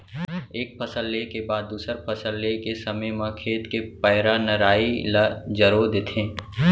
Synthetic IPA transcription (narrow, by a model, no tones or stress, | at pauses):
eːk̚pʰɐsəlːekebaːd̪ːuːsəɾpʰɐsəlːekesɐməjmãkʰeːt̪kepəːɾanəɾaːilad͡ʒəɾod̪et̪ʰẽː